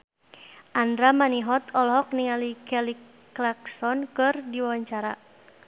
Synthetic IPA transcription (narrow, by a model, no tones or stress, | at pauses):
ʔandɾamaniɦɔt̪ɔlɦɔk̚niŋalikɛli | laksɔnkɨrdiwawaɲt͡ʃaɾa̰